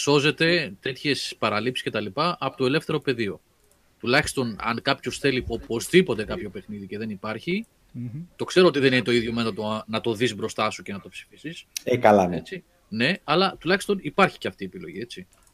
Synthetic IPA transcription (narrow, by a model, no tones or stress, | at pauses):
so̞ze̞t̪e̞t̪e̞t̪çe̞spɐɾɐlipsi̥sce̞t̪ɐlipɐʔɐpot̪o̞e̞le̞fθe̞ɾo̞pe̞ðio̞ | t̪ulɐçi̥st̪o̞nɐ̰ŋkɐpço̞sθe̞liopo̞zðipo̞t̪e̞kɐpço̞pe̞xniðice̞ðe̞nipɐɾçi | t̪o̞kse̞ɾo̞o̞t̪iðe̞ninet̪o̞iðʝo̞menot̪onɐt̪o̞ðizbɾo̞st̪ɐsuce̞nɐt̪o̞psi̥fisisekɐlɐet͡si | ne̞ɐlɐt̪ulɐçi̥st̪o̞nipɐɾçi̥ce̞ɐft̪iːepilo̞̰ʝie̞t͡si